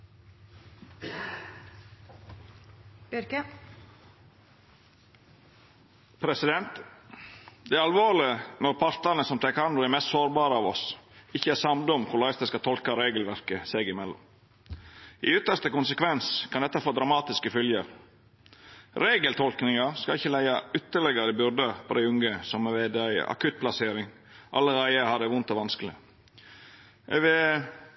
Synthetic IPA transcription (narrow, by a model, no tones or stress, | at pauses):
ɾkə | pʰɾɛsɪd̪ɛnt̪ | d̪ɛæːɾɑlʋoːɭɪənɔɾpʰɑɾt̪ɑnəsɔmt̪ʰækɑnʊɛɾmɛst̪soːɾbɑːɾəɑːʋɔsɪçəæːɾsɑmd̪ɔmkʰʊɭɑɪsd̪ɛskɑt̪ʰɔlkɑɾeːɡəlʋæɾkəseːɡɪmɛlːɔ̰m | ɪ̰ʏt̪ːəʂt̪əkʊnsəkʰʋɛnskʰɑnd̪ɛt̪ːɑfoːd̪ɾɑmɑːt̪ɪskəfʏljəɾ | ɾeːɡəlt̪ʰɔlknɪŋɑskɑɪçːəlæɪɑʏt̪ːəɭɛɡəɾɪbʉɾd̪əpʰɔd̪æɪʉŋəsɑməʋeːd̪eɑɪə̰ʔɑ̰kʰʉt̪̚pʰlɑseːɾɪŋ | ʔɑ̰lːəɾæɪəhɑd̪ɛʋʊnt̪ɔʋɑnskəlɪ̰ | ʔɛʋɛ